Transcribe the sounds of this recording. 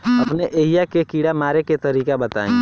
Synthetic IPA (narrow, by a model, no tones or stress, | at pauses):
ɐpneʔeːɦijakekiːɽamaːɾeket̪ɐɾiːkabɐt̪a̰ːẽː